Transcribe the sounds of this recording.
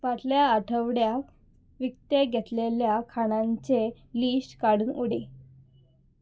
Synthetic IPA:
ʋaʈljaːʈʰəʋɽja | ʋikt̪eɡʱɛt̪leljakʰaɽ̃ãɲt͡se | liːɕʈkaɽuːnuɽe

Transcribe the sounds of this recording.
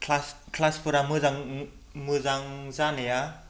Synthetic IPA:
kʰlaskʰlaspʰuɾamɯzaŋ | mɯzaŋzanea

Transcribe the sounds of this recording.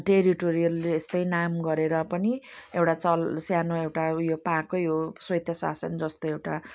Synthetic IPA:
ʈeɾiʈoɾijʌlːeest̪ʌjnamɡʌɾeɾʌpʌniewʈat͡sʌlsjanoewʈajopakːojoswʌjt̪ʰjʌsa̰sʌnd͡zʌst̪oewʈa

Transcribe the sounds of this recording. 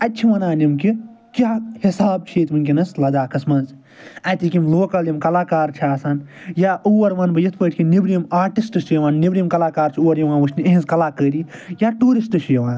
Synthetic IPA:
ɐtʲːt͡ʃʰiʋɐnaːnimki | kʲjaːhisaːb̚t͡ʃʰeːt̪ʲmɨnʲk̬ʲinɐslɐd̪aːkɐsmɐːns | ɐt̪ʲikimloːkɐljimkɐlaːkaːɾt͡ʃʰiaːsaːnjaːuwɐɾʋɐnbɐjɐt̪ʰpəːʈʰʲkʲinibɾijimaːɾʈisʈɨsʰjɐʋaːnnːibɾimkɐlaːkaːɾt͡ʃʰiuwɐɾjɐʋãːnʋɨt͡ʃʰnieɦĩnzkɐlaːkəːɾijaːʈuːɾisʈɨt͡ʃʰjɐʋãːn

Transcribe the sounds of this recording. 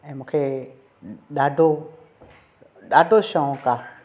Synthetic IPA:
ɛmũkʰe | ɗado | ɗadoʃɔ̃ka

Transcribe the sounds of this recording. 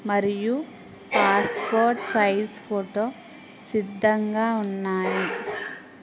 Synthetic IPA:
mɐɾiju | paːspoːɾʈsɐjspʰoːʈoː | sid̪ʱːɐŋɡaːunːaːji

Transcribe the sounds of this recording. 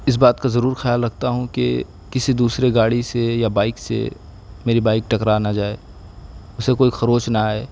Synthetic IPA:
ɪs̬baːt̪̚kazɐɾuːɾxjaːlɾɐɡ̚t̪aɦũkḛ | kɪsid̪uːsɾeɡaːɽisejabaːɪksḛ | meːɾibaːɪk̚ʈɐkɾaːnad͡ʒaːeː | ʊsekoːixɐɾoːt͡ʃnaaːeː

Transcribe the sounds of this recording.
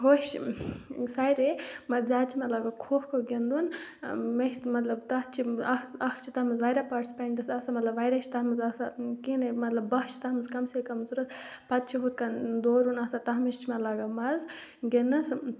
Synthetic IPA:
ɦoʃ | sɐjɾemɐɾd͡ʒaːt͡ʃʰimeɐlaːɡakʰoːhkʰoɡend̪unmeʃmɐt̪lɐbt̪ɐɦt͡ʃʰiɐɐkʰt͡ʃʰit̪ɐɦmɐzʋɐjɾapaʈisi̥pɐɳɖɨsɐsamɐt̪lɐbʋɐjɾɐʃʰi̥t̪ɐɦmɨzɐsakinɐmɐt̪lɐbːɐɦt͡ʃʰi̥t̪ɐɦmɨzkɐmsekɐmsuɾɐt̪ʰ | pɐt̪̚t͡ʃʰiɦut̪̚ʰkɐnd̪oːɾunɐːsat̪ɐɦmɐst͡ʃʰimeɐlaːɡamɐzɡenɨs

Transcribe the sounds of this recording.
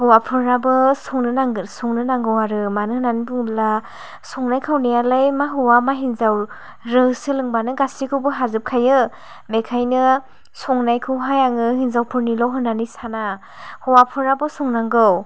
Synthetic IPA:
hɔwapʰɯɾabɯsɔŋnɯnaŋsɔŋnɯnaŋɡɯwaɾɯmanɯhɯnanibɯŋla | sɔŋnajkʰawnijalajmaɦɯwamaɦinzaw | ɾɯsɯlɯŋbanɯɡasikʰɯwbɯɦazɯp̚kʰajɯ | mekʰajnɯ | sɔŋnajkʰɯwɦajaŋɯhinzawpʰɯɾnilɔwɦɯnːanisana | hɔwapʰɯɾabɯsɔŋnaŋɡɯw

